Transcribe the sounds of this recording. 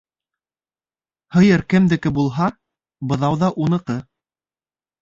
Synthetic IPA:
hɤ̆jɤɾkɘ̆md̪ɘ̆kɘbulˠɦɑ | bɤ̆ðɑwðɑʔunɤ̆qɤ

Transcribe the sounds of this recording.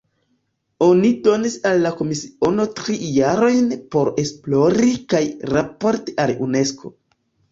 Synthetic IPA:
o̞nido̞nisalːako̞misio̞no̞tɾijaɾo̞jnpo̞ɾe̞splo̞ɾikajɾapo̞ɾtiʔalune̞skʰo̞̰

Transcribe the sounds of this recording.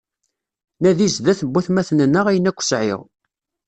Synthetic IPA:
næðizðæθəbːæθmæθnənːəʁæjənækʷːə̥sʕɪ̰ʁ

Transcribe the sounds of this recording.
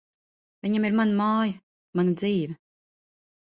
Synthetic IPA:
vʲiɲamiɾmanamaːjɐ | manad̪ziːvɛ

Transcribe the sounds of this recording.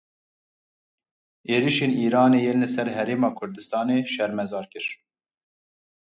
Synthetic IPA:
eːɾiʃeːniːɾɑːneːjelːɨsɛɾɦɛɾeːmɑːkʰʊɾd̪ɨst̪ɑːneːʃɛɾmɛzɑːɾkɨɾ

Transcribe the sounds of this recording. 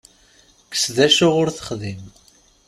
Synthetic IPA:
kə̥sðæʃʊʁʊɾθə̥χðim

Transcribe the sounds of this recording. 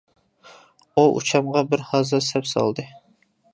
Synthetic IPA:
uʔṵt͡ʃʰɑmʁɑbɪɾhɑzɨsɛpsɑ̰lˠd̪ɨ

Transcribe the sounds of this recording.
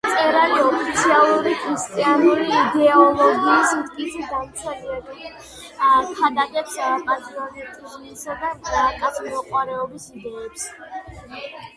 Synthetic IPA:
t̪sʼɛɾaliɔpʰit̪sʰialˠuɾikʼɾist̪ʼianuɾiːd̪ɛɔlˠɔɡiːsit̪ʰʼkʼit̪sʰɛd̪ant̪sʰaliad̪ɛ | pʰad̪ʼakʼɛpsmʼazɡavɛt̪ʰʼiznisad̪aakʼasmɔqʼwaɾɛɔbisid̪ɛːps

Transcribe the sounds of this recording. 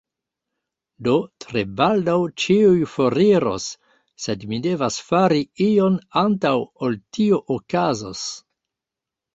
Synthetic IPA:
dotɾe̞baldawt͡ʃiujfo̞ɾiɾo̞̰sː | e̞dmide̞vasfaɾiio̞nantawoltioʔokazos

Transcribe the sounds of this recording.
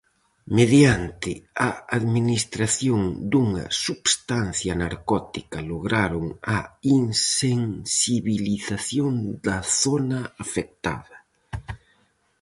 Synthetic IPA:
meðjant̪ɪɐaðminist̪ɾaθjoŋd̪uŋɐ̰suβst̪an̟θjɐnaɾkɔt̪ikɐloɣɾaɾʊŋɐiŋseŋsiβiliθaθjond̪ɐθonɐafek̚t̪a̰ðɐ

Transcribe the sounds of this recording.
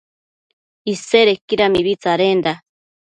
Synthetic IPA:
iseɾekiɾamiβit͡saɾend̪a

